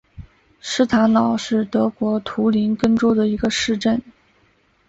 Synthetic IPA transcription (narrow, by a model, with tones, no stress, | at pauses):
ʂɻ̩˥˩t̪ʰa˧˥nnɑ˨˩ʊʂɻ̩˥˩t̪ɤ˧˥kwɔ˧˥t̪ʰu˧˥li˧˥nkə˥nʈ͡ʂu˥d̪ə˨i˧˥ɡə˧ʂɻ̩˥˧ʈ͡ʂə˥˩n